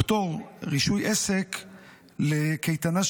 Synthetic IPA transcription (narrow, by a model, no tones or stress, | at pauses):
t̪oʁʁiʃujʔesek | lekejt̪ana